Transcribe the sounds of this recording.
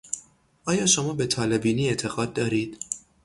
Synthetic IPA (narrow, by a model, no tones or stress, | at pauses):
ʔɒːjɒːʃo̞mɒːbe̞t̪ʰɒːle̞biːniːe̞t̪ʰe̞ɣɒːd̪̚ːɒːɾiːd̪̥